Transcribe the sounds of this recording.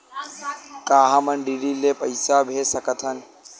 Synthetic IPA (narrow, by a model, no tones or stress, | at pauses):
kaːɦamənɖiːɾileːpəɪsabʱeːsəkət̪ʰənɪ